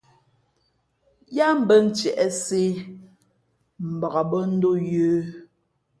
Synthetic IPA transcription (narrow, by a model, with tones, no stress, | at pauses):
ja˦m̩˦bə˦n̩˨˦t͡ʃɛ˨ʔɛ˦se˦ | m̩˨ba˨ɣa˨bɔ˦n̩˦do˦jʉː˦